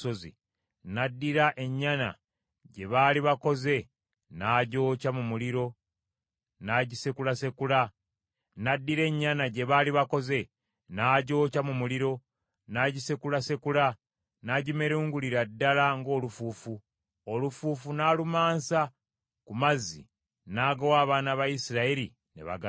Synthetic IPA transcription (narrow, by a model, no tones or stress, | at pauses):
ozḭ | nadːiɾaʔe̞ɲːana̰ | ɟe̞βaːliβako̞ze̞ | naːɟo̞ːcamumuliɾo̞ | naɟisekulase̞kula | nadːiɾe̞ɲːanaɟe̞βaːliβako̞ze̞ | naːɟo̞ːcamumuliɾo̞ | naːɟise̞kulase̞kula | naɟime̞ɾuːŋɡuliɾadːalaŋɡo̞ːlufuːfu | olufuːfunaːlumaːnsa | kumazḭ | naːɡowaːβaːnaβajisiɾaeɾi | ne̞̰βa̰ɡa